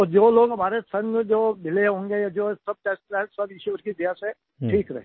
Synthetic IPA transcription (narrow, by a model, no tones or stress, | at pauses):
ɔːd͡ʒoːloːɡɦɐmaːɾesɐ̃ŋd͡ʒoːbɪleɦõːŋɡejad͡ʒoːsɐb̚ʈeːsʈɾɛsɐbɪʃuʋəɾkid̪aːsɛ | ʈʰiːkɾɐɦe